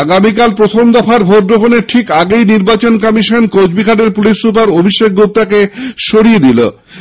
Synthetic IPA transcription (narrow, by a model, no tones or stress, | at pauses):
aɡamikalpɾot̪ʰomd̪afaɾbʱoʈ̪̚d̪ɾokʰoneɾʈʰikaɡejniɾbat͡ɕonkɔmiʃonkowd͡ʑbiɡʱaɖeɾpulisːup̬aɾobʱiʃek̚ɡup̚t̪akeʃoɾijed̪ilo̰